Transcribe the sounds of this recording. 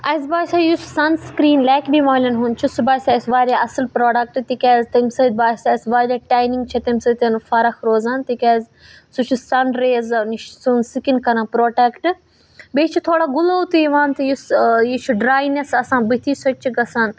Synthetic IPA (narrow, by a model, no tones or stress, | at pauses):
ɐjzbaːsajussɐnskɾiːnlaːkbimaːlʲɐnɦunt͡ʃʰisubaːsaɐsʋaːɾʲaɐsɐlpɾoːɖɐk̚ʈt̪ikʲɛːzt̪ɐmsɐd̪baːsaɐsʋaːɾaːʈaːjniŋɡ̚t͡ʃʰɐt̪ɐmʲsɐt̪ɐnfɐɾɐxɾoːzaːnt̪ikʲɐːz | sut͡ʃʰusɐnɖɾeːznʃsunsikinkɐɾɐ̃npɾoːʈekʈɨ | beːt͡ʃʰit̪ʰoːɽaɡʊlout̪uiʋaːnt̪ɐjusjit͡ʃʰuɖɾaːjnɐsɐsãːbit̪ʰisɐt͡ʃʰiɡɐsɐn